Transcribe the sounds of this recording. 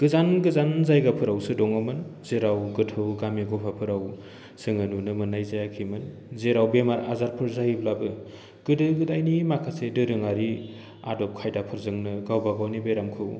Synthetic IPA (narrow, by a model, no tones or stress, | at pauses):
ɡ̥ɯzanɡɯzanzajɡapʰɯɾawsɯdɔŋamɯnzeɾawɡɯtʰɯwɡamiɡɔpʰapʰɯɾaw | sɯŋɯnunɯmɯnajzajakʰimɯn | zeɾawbemaɾazaɾpʰɯɾzajblabɯ | ɡ̥ɯdɯɡɯdajnimakʰasedɯɾɯŋaɾi | a̰dɔp̚kʰajdapʰɯɾzɯŋnɯɡawbaɡawnibeɾamkʰɯw